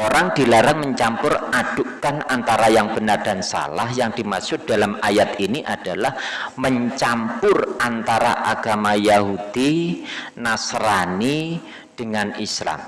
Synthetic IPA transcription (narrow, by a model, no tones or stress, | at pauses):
oɾaŋd̥ilaɾaŋməɲt͡ʃampʊrad̥ʊkanant̪aɾajaŋb̥ənard̥a̤nsa̰lahjaŋd̥imaksʊk̚d̥alamajat̪iniʔad̥alahməɲt͡ʃampʊrant̪aɾa̰ʔaɡ̥amajaɦud̥i | nasɾani | d̥əŋanisla̰m